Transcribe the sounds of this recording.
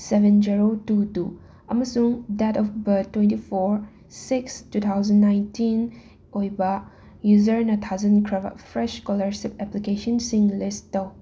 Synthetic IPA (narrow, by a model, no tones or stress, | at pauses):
sebẽnd͡ʒiɾotutu | ɐmɐsuŋdɛtɔfbɐtwẽntipʰoɾ | sikstut̪ʰawzɐnːajntin | ojbɐ | juzɐɾɛnɐt̪ʰawzɐnkʰɾɐbɐ̰pʰɾeʃkɔlɐɾsipɛplikesɔnsiŋlistɐw